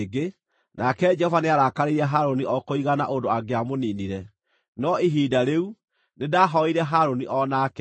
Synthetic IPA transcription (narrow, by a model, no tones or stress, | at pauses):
ɡe | nakɛd͡ʒɛhɔvaneaɾakaɾeɾɛɦaɾoniʔɔkoiɣana̰ʔondoaɡeamoniːniɾɛ | nɔiɦiːdaɾeu | nedaɦɔiɾɛɦaɾoniʔɔnakɛ